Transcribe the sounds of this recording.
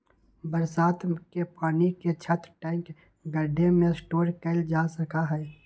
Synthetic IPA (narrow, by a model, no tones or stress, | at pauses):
bəɾsaːt̪kepaːniket͡ʃʰət̪ɾʈãːɪ̃ŋk | ɡəɖʱemẽsʈoːɾkəld͡ʒaːsəkaɦɛː